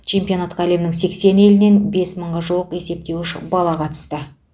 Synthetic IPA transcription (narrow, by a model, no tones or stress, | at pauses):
t͡ʃʰe̞mpijo̞nat̪qæle̞mɪnɪŋse̞kse̞nelɪne̞nbe̞sməɴʁɑʒuwəqe̞se̞p̚t̪e̞wɪʃɪ̰bɑlˠɑqʰɑt̪ə̥st̪ə